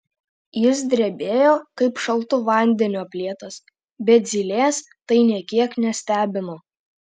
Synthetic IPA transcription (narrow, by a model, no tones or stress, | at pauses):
jɪs̬d̪ʲɾʲɛbʲeːjoːkɐɪpʃɐlˠˑt̪ʊʋɐˑnʲd̪ʲɛnʲuːɐpʲlʲiɛt̪ɐs | bʲɛt̪̚zʲilʲeːs | t̪ɐɪnʲiɛkʲiɛknʲɛsʲt̪ʲæːbʲɪnoː